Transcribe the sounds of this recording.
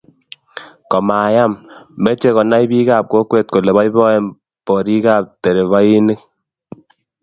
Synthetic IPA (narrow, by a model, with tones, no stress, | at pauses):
kɔ˨ma˨ja˦mbe˦t͡ʃe˦kɔ˨na˦jbi˦kaː˦˨p̚ko˦kwe˦t̚ko˨le˨βa˦jbɔ˦ɛ˦m | bɔ˨ɾi˦kaː˦p̚te˨ɾe˨βa˦ji˦ni˦k̚